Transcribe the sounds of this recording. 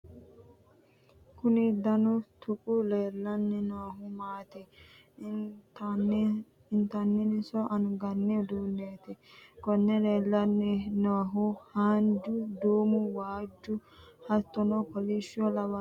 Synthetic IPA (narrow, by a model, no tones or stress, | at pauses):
kʊnɪd̪ɐnɔt̪ʰʊkʼʊleːlːɐnːɛnɔɦʊmaːt̪ɛ | ɪnt̪ɐnːɛnɪsɔʔɐnʊɡɐnːɛd̪uːnːeːt̪ɪkɔnːɛleːlːɐnːɛnɔɦʊhaːnd͡ʒʊd̪uːmʊwaːd͡ʒːʊhɐt̪ːɔnɔkɔliʃɪɔlɐbɐ